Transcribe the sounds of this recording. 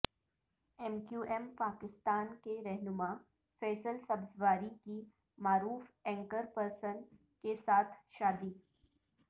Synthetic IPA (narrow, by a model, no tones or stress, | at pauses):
ɛmkjuːʔɛmpaːkɪst̪aːnkeɾɛɦnʊmaː | fɛːsəlsɐbzʋaːɾiki | maːɾuːfɛ̃ːŋkəɾpəɾsən | kesaːt̪ʰʃaːd̪iː